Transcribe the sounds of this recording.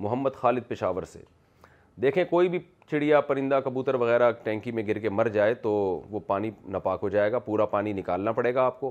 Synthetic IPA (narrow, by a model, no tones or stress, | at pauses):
mʊɦəmːəd̪xaːlɪd̪̚pɪʃaːʋəɾsḛː | d̪eːkʰẽkoːibʱi | t͡ʃʰɪɽijapɐɾɪ̃nd̪akɐbuːt̪əɾʋɐɣɛːɾaʈɛ̃ːŋkimẽɡʱɪɾkemɐɾd͡ʒaːet̪oʋopaːninɐpaːkɦod͡ʒaːeːɡapuːɾapaːninɪkaːlnapɐɽeːɡaːp̚koː